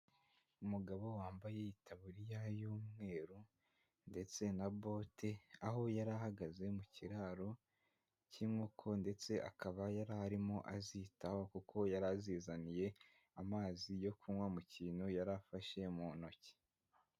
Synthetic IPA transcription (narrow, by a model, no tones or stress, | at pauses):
umuɡaβo̞waːmbaje̞jitʰaβuɾijajuːmŋe̞ːɾu | nde̞t͡se̞nabo̞te̞aɦo̞jaɾahaɡaze̞muciɾaːɾo̞ | cimŋokʰo̞nde̞t͡se̞ʔa̰kʰaβajaɾaɾimo̞ʔazitahokukʰo̞jaɾaziːzanije̞ | amaːzijo̞kʰunwamuciːnojaɾafaʃe̞mono̞ce̥